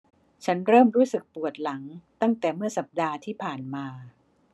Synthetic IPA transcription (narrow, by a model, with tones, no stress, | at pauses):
t͡ɕʰa˦˥nɾɤː˥˩mɾuː˦˥sɯ˨˩k̚pu˨˩ət̪̚la˩˦ŋt̪a˥˩ŋt̪ɛː˨˩mɯ˥˩ɐsa˨˩p̚daː˧t̪ʰiː˥˩pʰaː˨˩nmaː˧